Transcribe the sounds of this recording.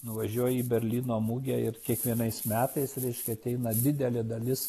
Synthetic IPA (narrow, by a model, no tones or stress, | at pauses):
nʊʋɐʒʲuɔjɛiːbʲɛɾʲlʲiːnoːmuɡʲɛɪɾkʲiɛkʋʲiɛnɐɪsmʲæːt̪ɐɪsɾʲɛɪʃʲkʲɛɐt̪ʲɛɪnɐd̪ʲɪd̪ʲɛlʲɪd̪ɐlʲɪs